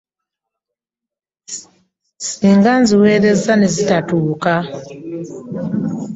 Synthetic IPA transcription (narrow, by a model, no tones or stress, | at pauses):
siːŋɡanziweːɾe̞zanezitatuːka